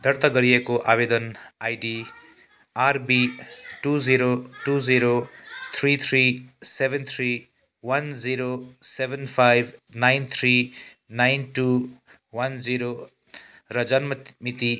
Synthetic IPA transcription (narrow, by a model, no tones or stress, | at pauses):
d̪ʱʌɾt̪ʌɡʌɾijekoʔabed̪ʌnajɖi | aɾbiʈuziɾoʈud͡ziɾot̪ʰɾit̪ʰɾisebʱent̪ʰɾi | wand͡ziɾosebʱenpʰajbʱnajnt̪ʰɾi | najnʈu | wand͡ziɾo | ɾʌd͡zʌnmʌmit̪i